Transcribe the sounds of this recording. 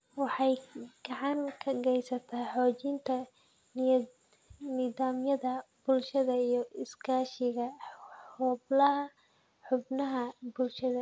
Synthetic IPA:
wɑħɑjɡ̥ɑʕɑŋkʰɐɡɛjsɐt̪ʰaːħɔːt͡ʃɪnt̪ʰɐ | niːðaːmjɐðɐb̥ʊlʃɐðɐijɞɪskʰaːʃɪɣɐhɔːblɐɦɐ | ħʊbnɐɦɐbʊlʃɐðɐ

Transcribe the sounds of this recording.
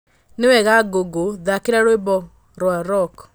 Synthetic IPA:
newɛɣaɡoɡoðakeɾaɾoebɔ | ɾwaɾɔk

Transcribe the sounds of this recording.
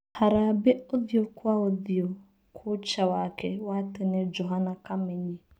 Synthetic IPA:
haɾabeoðjokaoðjo | kʰʊt͡ʃawakewatɪned͡ʒoɦanakameɲe

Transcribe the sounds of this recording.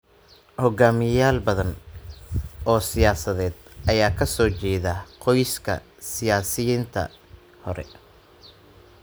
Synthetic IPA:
hɔɡaːmɪjaːlbɐðɐn | ɔːsɪjaːsɐðɛːd̪ʔɐjaːkʰɐsɔːt͡ʃɛːðaqɔjskʰɐ̰ | sɪjaːsɪjint̪ʰɐ̰ | hɔɾɛ̰

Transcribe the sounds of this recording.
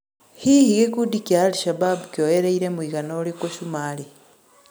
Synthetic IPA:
hihiɡekudikiaːliʃababukjojeɾeiɾemwiːɣanolikoʃumaːli

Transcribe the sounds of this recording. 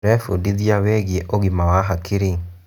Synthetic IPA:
ɾɛfudiðiaweɣeʔoɣimawaɦakɪɾe

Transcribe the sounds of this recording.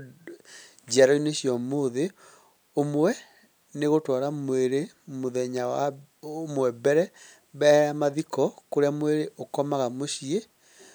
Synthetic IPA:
d͡ʒaɾɔineɕjɔmoːðe | omwɛ | neɣotwaɾamweɾemoðɛɲawa | omwɛbɛɾɛ | βɛamaðikɔkoɾeamweɾeʔokɔmaɣamoɕie

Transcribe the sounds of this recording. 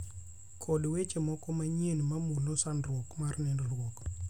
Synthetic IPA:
kʰɔdwet͡ʃemɔkɔmaɲenmamulosanɾwɔkmarnɛndolwok

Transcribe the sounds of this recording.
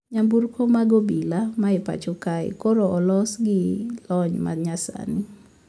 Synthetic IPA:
ɲamburkʰomaɡobilamaepa̰t͡ʃokaɪ̰koɾoɔlɔsɡɪlɔɲma̰dɲasa̰nɪ

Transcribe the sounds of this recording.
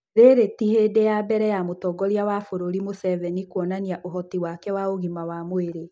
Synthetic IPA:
ɾeɾetihedejabɛɾɛjamotɔɡɔɾiawafoɾoɾimosɛvɛnikwɔnaniaʔoɦɔtiwakɛwaoɣimawamoeɾe

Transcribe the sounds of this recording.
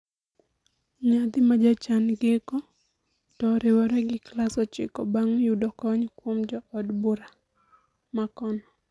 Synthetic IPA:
ɲad̪ɪmad͡ʒat͡ʃanɡɪkɔ | tɔɾɪwɔɾɛɡɪklasɔt͡ʃɪ̰kɔbaŋjudɔkɔɲkwomd͡ʒɔɔdbuɾa | makɔnɔ

